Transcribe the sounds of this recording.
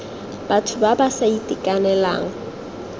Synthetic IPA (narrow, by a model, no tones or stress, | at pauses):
b̥atʰʊbabasaitʼikʼanɛla̰ːŋ̩